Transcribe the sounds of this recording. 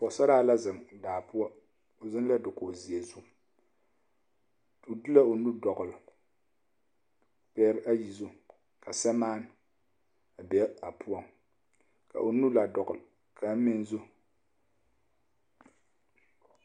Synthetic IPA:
pɔ˨sa˦ɾaː˦la˦zɨ˨mdaː˨pʊ˦ɔ˦ | o˨zɨ˦n˦la˦dɨ˨ko˨zi˨ɛ˨zu˦ | tu˨dɨ˦la˦o˨nu˦dɔ˨ɡʊ˨l | pɛ˦ɾa˦ji˨zo˦ | kʰa˨sɛ˦maː˦n˦ | a˨bɛ˦a˨pʰu˦ɔ˦ŋ | ka̰˨ʔo˨nu˦la˨dɔ˨ɣʊ˨l | kʰa˨m̩˦mɪ˦nzu˦

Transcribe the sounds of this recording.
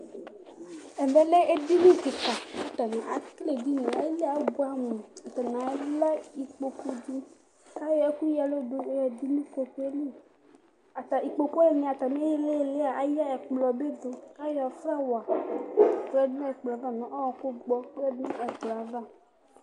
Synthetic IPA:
e˨me˨le˦e˦d̪i˦lu˦ki˨ka˨e˦t̪a˨nã˨ʔa˨kle˨di˦nɔ̃˨e˦le˦a˨˦bu˦a˦mũ˨a˨t̪a˨nã˨e˦la˦i˨k͡po˨ko˦d͡ʒu˦ | ka˦jɔ˨e˦ku˦ja˨lo˦ɖo˦e˦jɛ˨d̪i˦lũ˦ko˨ko˦e˦le˦ | a˨t̪a˨i˨k͡po˨ko˦e˦nĩ˨a˨t̪a˨mẽ˦je˦le˦˨le˦a˨a˦ja˦ɛ˨k͡plɔ˨be˦d̪o˨ka˦ja˨fɾa˦wa˨ | k͡pɛ˦dnũ˦ɛ˨k͡pla˨va˦nɔ̃˨ʔɔ˦wɔ˨ko˦ɡ͡bɔ˦k͡pɛ˦dnũ˦ʔɛ˨k͡pla˨va˦˨

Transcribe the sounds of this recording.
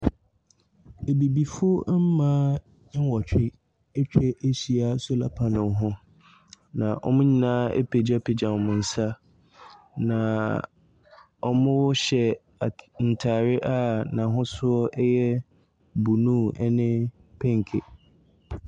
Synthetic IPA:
e˨bi˨bi˨fʊ˦o˦m̩˦mãː˦ | ɪ̃˦n˦wɔ˨t͡ɕᶣɪ˦ | ɛ˦t͡ɕᶣɛ˦ʔe˦ɕi˨a˦sɔ˦la̰˨pʰa˨nʊ̃˨ɦʊ̃˦ | nã̰˨ʔɔ̰˦mʊ̃˦ɲĩ˦nãː˦ḛ˦pʰe˨d͡ʑa˦pʰe˨d͡ʑa˨m˨mʊ̃˨n̩˨sa˦ | nã˨ | ɔ˦mʊ̃˦wɔ˦ɕɛ˨ | a˨n̩˨tʰaː˨ɾɪ˦ʔa˦˨nã˨ɦʊ̃˦sʊ˦ɔ˦ʔɛ˦jɛ˦ | bu˨nũ˦ɛ̰˦nɪ̃˦ | pʰɛ̃˦ŋ˨kʰe˨

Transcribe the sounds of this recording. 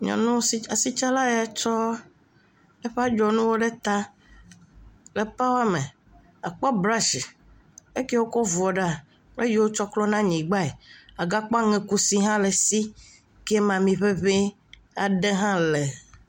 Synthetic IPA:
ɲɔ̰̃˨nũ˦o˦si˦a˨si˦t͡ʃa˦la˦ja˨˦t͡ʃɔ˦ | e˦ɸe˦a˦d͡ʒɔ˨nũ˦wo˦ɖe˦t̪a˦ | le˨pa˦wa˦me˨ | a˨k͡pɔ˦bɾa˦ʃi˨ | e˦ke˦wo˦kɔ˦vɔ˨ɖa˦˨ | k͡ple˦ji˦wo˦t͡ʃɔ˦klɔ˦nã˦ɲĩ˨ɡ͡ba˦e˨a˨ɡa˦k͡pɔ˦a˦ŋɛ̃˦ku˦si˦ɦã˦le˨si˦ | ke˦mã˨mĩ˨ɸe˦βe˦ | a˨ɖe˦ɦã˦le˨

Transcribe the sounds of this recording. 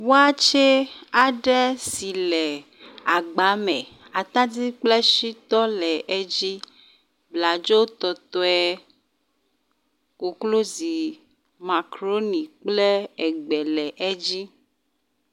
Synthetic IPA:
wo˦a˦t͡ʃɛ˦a˨ɖɛ˦si˨lɛ˨ | a˨ɡ͡ba˨˦mɛ˨ | a˨t̪ã˦di˦k͡plɛ˦ʃi˦t̪ɔ˦lɛ˨ʔe˦d͡ʑi˦ | bla˨d͡ʒo˦wt̪ɔ˨t̪ɔ˦ɛ˦ | ko˨klo˦zi˨ | ma˨kɾo˦nĩ˨k͡plɛ˦ɛ˨ɡ͡bɛ˨lɛ˨ʔɛ˦d͡ʑi˦

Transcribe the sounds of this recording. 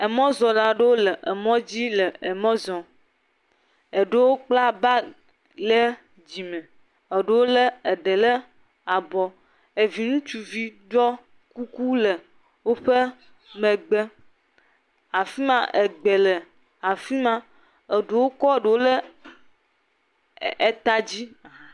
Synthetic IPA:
e˨mɔ̃˦zɔ̃˨la˦ɖe˦wo˦lə˨ʔe˨mɔ̃˦d͡ʑi˦lə˨e˨mɔ̃˦zɔ̃˨ | e˨ɖe˦wo˦k͡pla˦ba˦ | le˦ | d͡ʑi˨mɛ̃˨ | ə˨ɖe˦wo˦lə˦e˨ɖe˨lə˦ | a˨bɔ˨ | e˨vi˨ŋũ˦t͡ʃu˦vi˦ɖɔ˦ | ku˦ku˦lɛ˨ | wo˦ɸe˦ | mẽ˨ɡ͡be˦ | a˨fi˦mã˨ʔe˨ɡ͡be˨lɛ˨ | a˨fi˦mã˦ | e˨ɖe˨wo˦kɔ˦˨ɖe˨wo˦le˦ | e˦t̪a˦d͡ʑi˦˨

